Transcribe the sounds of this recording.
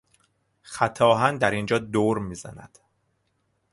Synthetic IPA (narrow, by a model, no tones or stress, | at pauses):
xæt̪ʰɒːɦænd̪æɾind͡ʒɒːd̪oɾmiːzæ̰næ̰d̪̥